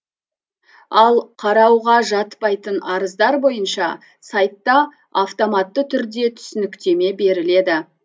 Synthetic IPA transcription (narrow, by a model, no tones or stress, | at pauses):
ɑlˠqʰɑɾɑwʁɑʒɑt̪pɑjt̪ənɑɾəzd̪ɑɾbo̞jənʃɑ | sɑjt̪ːɑ | aft̪o̞mɑt̪ːət̪ʰʏɾd̪e̞t̪ʰʏ̥sɪnɪkt̪e̞me̞be̞ɾɪle̞d̪ɪ